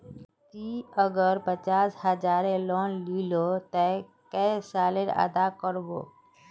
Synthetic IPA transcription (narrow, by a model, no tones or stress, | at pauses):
t̪iəɡəɾpət͡ʃaːshəd͡ʒaːɾelɔːnliːlot̪ɛ | kɛsaːleɾə̰d̪akəɾbo̰ː